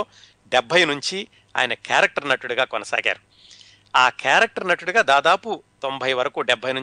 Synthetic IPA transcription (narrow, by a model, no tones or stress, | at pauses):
ɖebʱɐjnuɲt͡ʃi | a̰ːjɐnɐkaːɾɐk̚ʈɐɾnɐʈːuɽuɡaːkɔnɐsa̰ːɡa̰ːɾu | aːkaːɾɐk̚ʈɐɾnɐʈːuɽuɡaːd̪aːd̪aːput̪o̞mbʱɐjʋɐɾɐkuːɖebʱːɐjnu